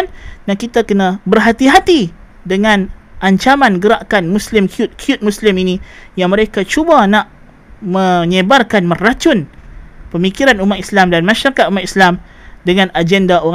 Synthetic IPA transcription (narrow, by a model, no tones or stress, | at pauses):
ndankit̪akənãbərɦat̪iɦat̪i | dəŋãnʔaɲt͡ʃamanɡəɾaʔkanmuslɪmkʰiʊt̪̚kʰjut̪̚muslɪminijaŋməɾekat͡ʃubanaʔ | mə̃ɲəbarkanmə̃rat͡ʃʊnpəmikiɾanumat̪islamdanmaʃaɾakat̪umat̪islam | dəŋãnad͡ʒɛndao